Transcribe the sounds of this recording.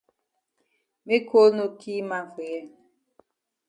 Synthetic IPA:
me˦kʰo˦no˨kʰi˦ma˨fe˨ɛ˦

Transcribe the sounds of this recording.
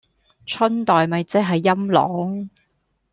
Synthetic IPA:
t͡ʃʰɵ˥nt̪ɔː˨jmɐ˨jt͡sɪ˥k̚ɦɐ˨jːɐ˥mlɔ̰ː˨˥ŋ

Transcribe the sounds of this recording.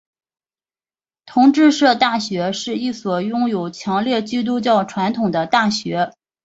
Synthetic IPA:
t̪ʰʊ˧˥ŋʈ͡ʂɻ̩˥˧ʂɤ˥˧t̪a˥˩ɕɥɛ˧˥ʂɻ̩˥˧i˥˩swɔ˨˩jʊ˥ŋjo˨˩ʊt͡ɕʰjɑ˧˥ŋljɛ˥˧t͡ɕi˥t̪̬u˥t͡ɕjɑ˥˩ʊʈ͡ʂʰwa˧˥nt̪ʰʊ˨˩ŋd̪ə˦t̪a˥˩ɕɥɛ˧˥

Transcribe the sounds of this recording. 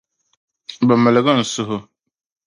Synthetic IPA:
bɛ˨mɨ˨lɨ˨ɡɨ˦˨n̩˨sʊ˦ɦʊ˦

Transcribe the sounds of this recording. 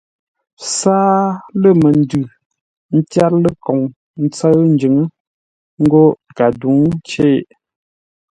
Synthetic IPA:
saː˦lə˦˨mə˨n̩˦dʉ˨ | n̩˦tja˦ɾlə˦kɔ˨ŋ | n̩˦t͡sə˦ɰn̩˦d͡ʒʉ˨˦ŋə˦ | ŋ̩˦ɡo˦ka˨du˨˦ŋ˦t͡ʃe˦˨

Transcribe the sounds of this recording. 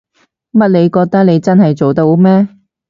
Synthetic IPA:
mɐ˥t̚ne˨˧jkɔː˧k̚t̪ɐ˥k̚ne˨˧jt͡sɐ˥nɦɐ˨jt͡so˨wt̪o˧wmɛː˥

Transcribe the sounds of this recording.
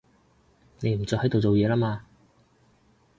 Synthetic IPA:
ne˨˧jm̩˨˩t͡sɔː˧hjt̪o˨wt͡so˨wjɛː˨˧laː˥maː˧

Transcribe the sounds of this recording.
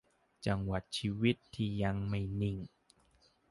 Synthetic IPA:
t͡ɕa˧ŋwa˨˩t̪̚t͡ɕʰiː˧wi˦˥t̪ʰːiː˧˩ja˧ŋma˧˩jni˨˩ŋ

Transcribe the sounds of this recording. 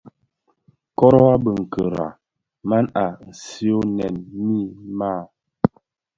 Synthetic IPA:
kɔ˦ɾɔ˦a˦bə˨ŋ̩˨kʰə˨ɾa̰˨ | ma˦na˨n̩˨si˦o˦nɛ˨nmi˦˨ma˦˨

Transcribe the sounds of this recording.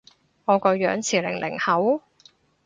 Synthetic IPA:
ŋɔː˨˧kɔː˧jœː˨˥ŋt͡sʰiː˨˩lɪ̰˨˩ŋlʔɪ̰˨˩ŋhɐ˨˥w

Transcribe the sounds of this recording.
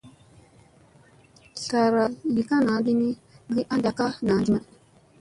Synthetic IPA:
ɬa˨ɾa˨li˨ka˦na˨˦di˦ni˦ɡi˦ʔa˦nda˨ka˦na˨˦di˦ma˦

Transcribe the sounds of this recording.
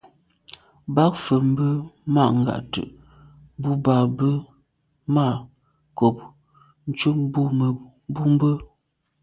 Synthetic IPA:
ba˦k̚fə˨m̩˦bə˦ma˦˨ŋ̩˨ɡa̰˨ʔtə̰˨ʔ | bu˦ba˨bə˦ | ma˦˨ | ko˨p̚ | n̩˦t͡ʃu˦m˦bu˦mə˨˦ | bu˦m˦bə˦

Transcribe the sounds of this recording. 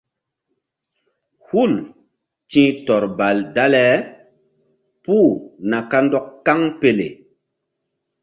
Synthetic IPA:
hu˦˨l | tĩ˦tɔ˨ɾba˨lda˦lɛ˦ | pu˦˨na˨ka˦ndɔ˦kːa˦ŋpe˨lḛ˨

